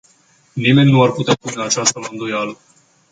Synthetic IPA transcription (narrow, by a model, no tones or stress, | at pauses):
nime̞nʲnuarput̪apuneat͡ʃast̪əɨnd̪ojalə